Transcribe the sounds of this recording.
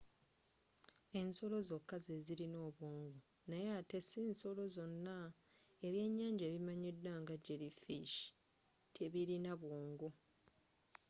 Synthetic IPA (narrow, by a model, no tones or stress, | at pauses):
e̞nso̞lo̞zo̞kːazeziɾino̞ːβwoːŋɡo | najeatesiːnso̞lo̞zo̞nːa | eβje̞ɲːaːɲɟeːβimaɲedːwaŋɡaɟeɾifiʃi̥ | tʰeβiɾinaβwoːŋɡo